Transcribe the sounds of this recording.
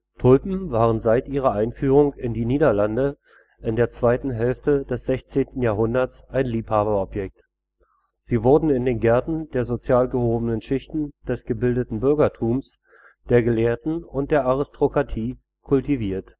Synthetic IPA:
tʰʊlpm̩vaːʁənzaɪtʔiːʁ̞ɐʔaɪnfyːʁʊŋɪndiːniːdɐlandə | ʔɪndeːɐt͡sv̥aɪtn̩ɦɛlftədɛsz̥ɛçt͡seːntn̩jaːɦʊndɐsʔaɪnliːphaːβɐɔpjɛk̚t | z̥iːvʊɐdn̩ɪndeːnɡɛɐtn̩deːɐzot͡sjaːlɡəhoːbənənʃɪçtn̩d̥ɛsɡ̥əbɪldətn̩bʏɐɡɐtʰuːms | d̥eːɐɡəleːɐtn̩ʊnt̚d̥eːɐʔaʁɪstʁ̥okʁ̥atʰiː | kʰʊltiviːɐt

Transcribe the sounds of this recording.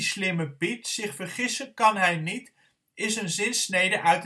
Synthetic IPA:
slɪməbitsɪχfərχɪsənkɑnɦɛjnit | ɪsənzɪnsnejdəʔœɥt

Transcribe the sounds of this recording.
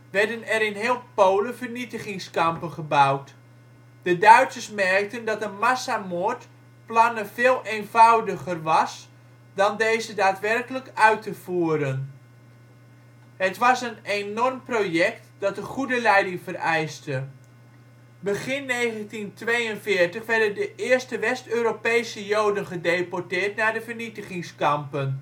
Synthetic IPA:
ʋɛrdənɛɾɪnɦɪːlˠpowləvərnitəχɪŋskɑmpəχəbawt | d̥ədœɥtsəsmɛrk̚təndɑtənmasamort | plɑnəveːlˠʔeːnv̥awdəχərʋɑs | dɑndejzədaːtʋɛrkələkœɥtəvuːəɾən | hətʋɑsənenɔrmproːjɛk̚td̥ɑtəχudəlɛjdɪŋfərɛjstə | bəɣɪnːejχəntintʋejənfɪːrtəχʋɛrdəndəʔɪːrstəʋɛstøːɾopejsəjowdənχədeːpɔɹtɪːɹtnadəvərnitəχɪŋskɑmpən

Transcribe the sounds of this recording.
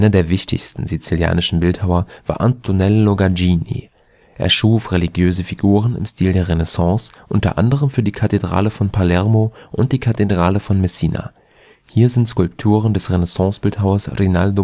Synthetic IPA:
ʔaɪnɐdeːɐvɪçtɪ̰çstn̩zit͡silja̰ːnɪʃn̩bɪlthaʊɐva̰ːɐʔa̰ntʰonɛlːoɡad͡ʒinḭ | ʔḛːɐʃuːfʁeliɡjøːzəfiɡuːʁ̞ənɪ̰mstʰiːldeːɐʁenɛsɑ̃ːsʔʊntɐ̰ʔa̰ndəʁ̞əmfyːɐdiːkʰatedʁa̰ːləfɔnpʰalɛɐmoʔʊnt̚d̥iːkʰatedʁaːləfɔnmɛsiːna̰ | hiːɐzɪntskʊlptʰuːʁ̞əndɛsʁenɛsɑ̃ːsb̥ɪlthaʊɐsʁenaldo

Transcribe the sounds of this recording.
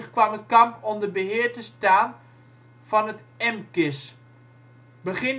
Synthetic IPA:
χkʋɑmətkɑmpɔmdəbəɦɪːɹtəstaːn | v̥ɑnət | ɛmkɪs | bəχɪn

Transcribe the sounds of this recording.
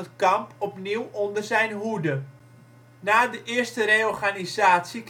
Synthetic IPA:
ətkampɔpniwɔndərzɛjnɦudə | naːdəʔɪərstəɾejɔrχanizaːtsik

